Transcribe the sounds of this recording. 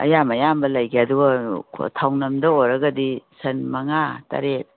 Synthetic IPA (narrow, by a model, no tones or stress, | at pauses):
ɐ̰jamɐjambɐlajɡeaduɡɐkʰtʰawnɐmdɐoɾɐɡɐdisɐnmɐŋatɐ̰ɾet̚